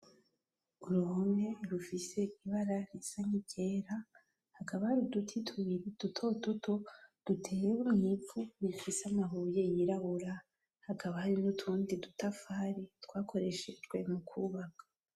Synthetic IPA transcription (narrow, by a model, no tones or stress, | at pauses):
uɾuhumŋe̞ɾufise̞iβaɾaɾisaɲibɟe̞ːɾa | hakaβahaɾidutʰitʰuiɾid̥utʰo̞tutʰo̞d̥utʰe̞jewumŋifuifiseamaɦuje̞jiɾaβuɾa | hakʰaβahaɾinutʰuːndidutafaːɾitwaːkʰo̞ɾe̞ʃed͡ʒɡwe̞mukʰuːβakʰḁ